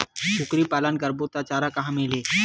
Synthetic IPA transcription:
t͡ʃʰʊkɾipaːlənkəɾbot̪at͡ʃaːɾakaɦãmẽːleː

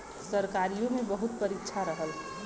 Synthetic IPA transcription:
səɾkaːɾijõmẽbəɦʊt̪̚pəɾɪkʃʰaɾəɦəl

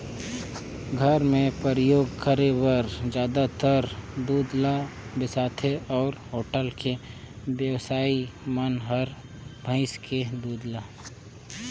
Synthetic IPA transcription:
ɡʱəɾmẽpəɾɪjoːɡkəɾewəɾd͡ʒjaːd̪at̪əɾd̪uːd̪labɪsaːt̪ʰeɔːɾɦoːʈəlkʰe | bjəwsaːimənɦəɾ | bʱə̃ɪskʰed̪uːd̪la

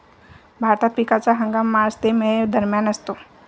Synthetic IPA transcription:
bʱaɾt̪at̪̚pikat͡saɦəŋɡamːaəst̪emẽd̪əɾmjanəst̪o

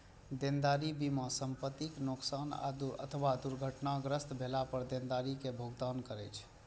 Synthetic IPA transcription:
d̪end̪aɾibimãsəmpət̪iknoksana̰d̪ə̰t̪ʰəwad̪uɾɡʱəʈnaɡɾəst̪bʱelapəɾd̪end̪aɾikebʱoɡd̪ankəɾɛjt͡ʃʰ

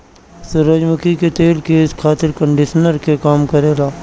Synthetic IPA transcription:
sʊɾəd͡ʒməkiket̪eːlkeːskʰaːt̪ɪɾkə̃ɳɖɪʃənəɾkekaːmkɐɾeːlaː

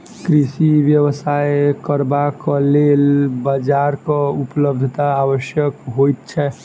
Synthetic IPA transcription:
kɾisiʋjəβsaekəɾbakəlelbəd͡ʒaɾkɔupələbd̪ʱt̪aːʋəʃjəkɦojt̪̚t͡ʃʰɛ

